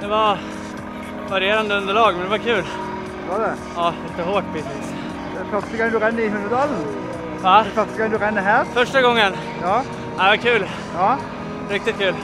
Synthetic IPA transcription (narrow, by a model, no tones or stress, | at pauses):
d̪ɛvɑɾ | vaɾjeːɾand̪əɵnd̪əɭɑːɡmɛnd̪ɛvaɾkʰʉ̟ːl | ɛʋɑd̪ɛ | ɑːlɪt̪əɦoːʈ̚pʰɪsɪs | fœst̪əɡɔŋd̪ʉɾɛnːəɾɪhɵnd̪ɾəd̪ɑːln̩ | vafœst̪əɡɔŋd̪ʉɾɛnːəɦæːɾfœʂʈaɡɔŋːən | jɑː | aɑkʰʉ̟ːl | jɑ | ɾɪk̚t̪ɪt̪̚kʰʉ̟ːl